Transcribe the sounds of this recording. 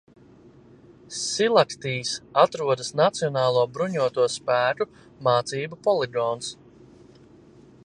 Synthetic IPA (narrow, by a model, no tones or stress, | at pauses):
silˠakt̪iːsat̪ɾuɔd̪əsnat̪sijɔnaːlˠuɔbɾuɲuɔt̪uɔspæːɾu | maːt̪siːbupɔlˠiɡɔːns